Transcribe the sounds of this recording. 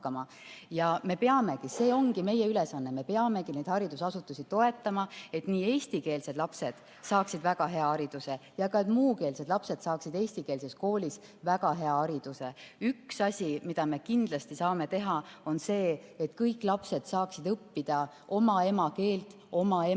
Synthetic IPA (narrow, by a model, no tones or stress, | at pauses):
kːɑmɑ | jɑme̞pe̞ɑme̞kise̞ːo̞ŋɡ̥ime̞je̞ylesɑnːeme̞pe̞ɑme̞kine̞jd̪̥hɑɾid̪̥usɑsut̪ːˑusit̪o̞e̞t̪ˑːɑmɑe̞t̪niːe̞ːsʲt̪ike̞ːlse̞d̪lɑpse̞d̪̥ | sɑːksid̪væɡɑɦe̞ɑɑɾid̪̥use̞jɑkɑet̪muːke̞ːlse̞d̪lɑpse̞d̪̥sɑːksid̪e̞ːsʲt̪ikeːlse̞sko̞ːlʲis | væɡɑɦe̞ɑɑɾid̪̥use̞yksɑsʲimid̪̥ɑme̞kind̪̥lɑst̪isɑːme̞t̪e̞ɦɑo̞nse̞ːet̪kɤjkːˑlɑpse̞d̪̥sɑːksid̪ɤpːid̪̥ɑ | ʔo̞mɑe̞mɑke̞ːlt̪ | o̞mɑe